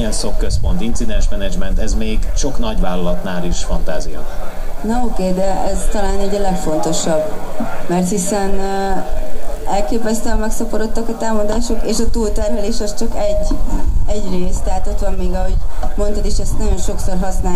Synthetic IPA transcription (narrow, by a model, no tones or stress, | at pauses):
ɛnsokkːøspont̪int̪sid̪ɛnd͡ʒmɛnɛd͡ʒmɛnt̪ɛzmeːɡʃo̞knɒɟvaːlːɒlɒt̪naːliʃfɒnt̪aːzijɒ̰nɛokeːd̪ɛɛzt̪ɒlaːnɛɟɒlɛkfo̞nt̪o̞ʃɒbmɛrt̪hisɛn | ɛlkeːpɛst̪ɛmmɛksɒpoɾo̞t̪ːɒkɒt̪aːmɒd̪aːʃo̞keːʃɒt̪uːlt̪ɛrmɛleːʃɒst͡ʃɒkɛɟːɛɟreːst̪ɛɦat̪o̞t̪ʋɒmːiːɡɒɦo̞ɟmo̞nt̪ɒt̪eːʃɛst̪nɒɟo̞nʃo̞kso̞rɦɒsnaː